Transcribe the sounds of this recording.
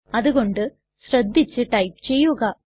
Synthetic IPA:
ɐðɯɣoɳɖɨ | sɾɐd̪ʱːit͡ɕːɨʈɐjp̚t͡ɕejːuɣɐ

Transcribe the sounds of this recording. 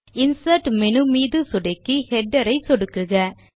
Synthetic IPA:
ɪnsɐʈmɛnɯmiːðɯsɔɽɐkːɯhɛɖːɐɾɐɪsɔɽɯkːɯɣɐ

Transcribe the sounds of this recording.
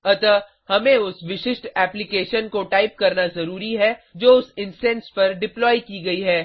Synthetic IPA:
ɐt̪ə | hɐmẽʊsʋɪʃɪʃʈɛːplɪkeːʃənkoʈaːɪp̚kɐɾnazɐɾuːɾiɦɛd͡ʒoːʊsɪ̃nsɛ̃nspɐɾɖɪplɔːjikiɡɐiɦɛː

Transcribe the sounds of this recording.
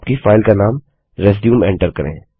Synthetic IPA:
pkifaːɪlkanaːm | ɾɛs̬ɖjũːmɛ̃ːɳʈəɾkɐɾḛ̃ː

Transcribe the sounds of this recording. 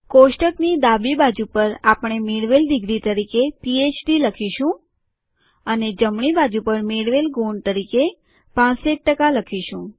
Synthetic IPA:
koʃʈəknid̪abibad͡ʒupəɾapəɳ̃emeɽʋeld̪ɪɡɾit̪əɾikepiet͡ʃɖiləkʰiʃũ | əned͡ʒəmɳibad͡ʒupəɾmeɽʋelɡoɳt̪əɾike | pãseʈ̚ʈəkaləkʰiʃũ

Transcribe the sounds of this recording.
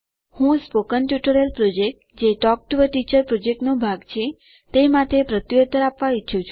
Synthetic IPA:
hũspokənʈjuʈəɾəlpɾod͡ʒek̚ʈd͡ʒeʈɔk̚ʈuʋəʈit͡ʃəɾpɾod͡ʒek̚ʈnobʱaɡt͡ʃʰe | t̪emat̪ʰepɾət̪jot̪əɾapʋait͡ʃʰũt͡ʃʰ

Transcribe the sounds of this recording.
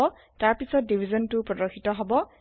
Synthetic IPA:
ɔ | taɹpisɔt̚dibʱizɔntʊpɹɔdɔɹxʰitɔɦɔbɔ

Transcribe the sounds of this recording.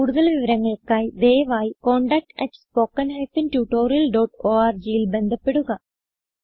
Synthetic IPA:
kuːɽuðɐlʋiʋɐɾɐŋːɐɭkːaːjd̪eːʋaːjkoːɳɖɐk̚ʈɐʈspoːkːɐnɦelpinʈjuːʈːoːɾijɐlɖoːʈoːaːrd͡ʑijilbe̞nd̪ʱɐpːeɽuɣɐ

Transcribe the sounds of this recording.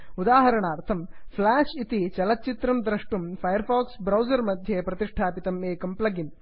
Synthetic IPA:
ud̪aːɦɐɾɐɳaːɾt̪ʰɐmfʰlaːʂit̪it͡ʃɐlɐt̪̚t͡ʃit̪ɾɐmd̪ɾɐʂʈumfʰɐjɐɾfaːksbɾɐwd͡ʒɐɾmɐd̪ʱjepɾɐt̪iʂʈʰaːpit̪ɐmeːkɐmplɐɡim

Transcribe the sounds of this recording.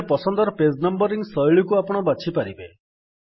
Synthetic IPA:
pɔsɔnd̪ɔɾɔpesnɔmbɔɾiŋsɔjɭikuapɔɽ̃ɔbat͡ʃʰipaɾibe

